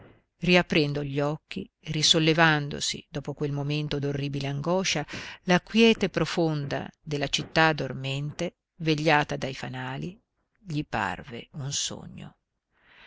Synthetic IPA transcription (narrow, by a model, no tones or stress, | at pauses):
riapːɾɛnd̪oʎɔkːi | risolːevand̪o̰sḭd̪ɔːpokwelmoment̪od̪orːiːbileaŋɡɔʃalakwjɛːt̪epɾofond̪a̰d̪elːat͡ʃit̪ːad̪ormɛnt̪e | veʎːaːt̪ad̪ajfanaːli | ʎipa̰rvḛunso̰ɲːo̰